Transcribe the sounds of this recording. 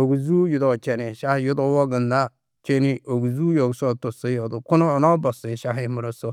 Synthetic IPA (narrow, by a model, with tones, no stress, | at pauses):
o˨ɡu˨zu˦ju˦do˨t͡ʃɛ˨ni˨ʃa˦hju˦do˦wo˦ɡə˨nda˦ | t͡ʃe˦ni˦ʔo˨ɡu˨zu˦jo˨ɡso˦tu˨si˦jo˨du˨kʊ˦noː˦˨nɔ˦bɔ˨si˨ʃa˦ɦmu˨ɾo˦so˦